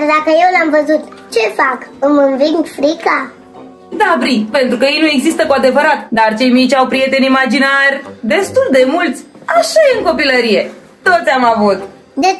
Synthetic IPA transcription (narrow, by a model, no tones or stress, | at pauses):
rd̪akəje̞wlamvəzut̪t͡ʃe̞fakɨmɨnviŋɡfɾika | d̪abɾipe̞nt̪ɾukəje̞jnue̞ɡzist̪əkoad̪e̞vəɾat̪d̪art͡ʃe̞jmit͡ʃʲawpɾije̞t̪e̞nimad͡ʒinarʲd̪e̞st̪uld̪e̞mult̪sʲ | aʃajeɨŋko̞piləɾije̞ | t̪ːo̞t̪sʲamavut̪̚ | d̪e